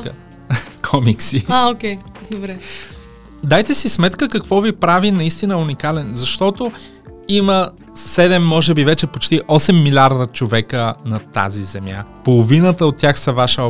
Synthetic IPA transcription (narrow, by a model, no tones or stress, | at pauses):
kʰɔmiksiaokʲɛd̪obɾɛ | d̪ajt̪ɛsismɛt̪kəkɐkvɔvipɾavinɐist̪inəunikalɛnzɐʃt̪ɔt̪o | imə | sɛd̪ɛmːɔʒɛbivɛt͡ʃɛpot͡ʃt̪iʔɔsɛmːilʲiaɾd̪ət͡ʃovɛkənɐt̪a̰zizɛmja̰polˠovinət̪əot̪ːʲjaxsɐvaʃəɔ